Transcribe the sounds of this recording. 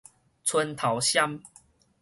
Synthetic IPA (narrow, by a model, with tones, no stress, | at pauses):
t͡sʰwə˦nt̪ʰa˨˦wɕja˦m